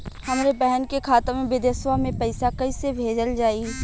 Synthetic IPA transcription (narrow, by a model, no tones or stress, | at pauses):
hɐmɾebɛɦənkekʰaːt̪əmẽbɪd̪əswamẽpɐɪsakɐisebʱeːd͡ʒəld͡ʒaːi